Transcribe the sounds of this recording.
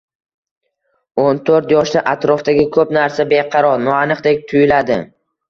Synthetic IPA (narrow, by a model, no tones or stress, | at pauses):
ont̪ʰoɾt̪jɒʃd̪aʔat̪ɾɒft̪aɡʲɪkʰɵpnaɾsabeqʰɑɾɒɾnɒanɨqd̪ek̚ʲt̪ʰʊjɪlad̪ɪ